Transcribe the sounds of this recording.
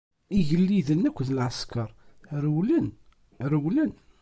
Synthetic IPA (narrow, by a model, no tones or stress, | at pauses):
iʝəlːiðənːækʷːðlʕəskɑɾˤɾəwlən | ɾəwlən